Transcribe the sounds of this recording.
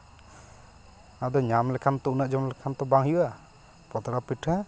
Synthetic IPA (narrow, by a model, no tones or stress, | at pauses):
ad̪ɔɲamlɛkʰant̪ɔunaʔd͡ʒɔmlɛkʰant̪ɔbaŋɦiwa | pɔt̪ɾapiʈʰã